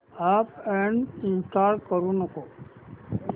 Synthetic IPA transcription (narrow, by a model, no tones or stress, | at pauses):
aːpɛɳɪ̃nsʈaːɾɖkəɾũnəkoː